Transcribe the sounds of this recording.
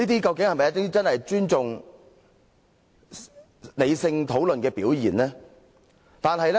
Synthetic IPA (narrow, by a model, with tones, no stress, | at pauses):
iː˥t̪iː˥kɐ˧wkɪ˨ŋhɐ˨jmɐ˨jtɪ˥t͡sɐ˥nhɐ˨jt͡ʃyː˥nt͡sʊ˨ŋ | le˨˧jsɪ˧ŋt̪ʰo˨˥wlɵ˨nkɛː˧piː˨˥wjiː˨˩nlɛː˥ | t̪aː˨nɦɐ˨jlɛ˦˥